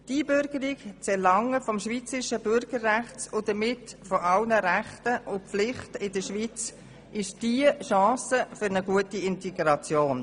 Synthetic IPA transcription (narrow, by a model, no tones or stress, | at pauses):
d̥iəbʏɾɡəɾɪkt͡sɛɾlɑŋːəfɔmʃviːt͡səɾɪʃəbʏɾɡ̥əɾræχt͡sʊdəmɪtfɔʔɑlnəɾæχtəʔʊflɪχtɪdəʃʋit͡s | ʔɪʃd̥iəʃɑ̃ːsəfʏɾnəɡuətiɪntɛɡɾɑt͡sjoːn